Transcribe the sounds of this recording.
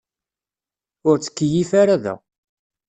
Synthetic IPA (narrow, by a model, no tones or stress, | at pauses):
ʊɾt͡sːə̥kːəjifaɾaðæ̰